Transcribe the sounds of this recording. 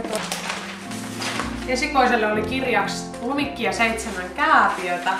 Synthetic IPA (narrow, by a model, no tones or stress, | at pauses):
t̪o | esikoiselːeolikirjɑks | umikːijɑseit̪semæŋkæːpiøt̪æ